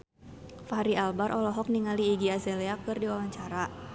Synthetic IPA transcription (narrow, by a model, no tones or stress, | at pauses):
faɾialbaɾʔɔlɔɦɔk̚niŋaliːɡiazɛlɛakɨrdiwawaɲt͡ʃaɾa